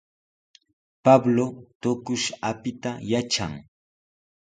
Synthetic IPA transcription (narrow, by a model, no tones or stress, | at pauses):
pablot̪ʊkʊʃapɪt̪ajaʈ͡ʂa̰ŋ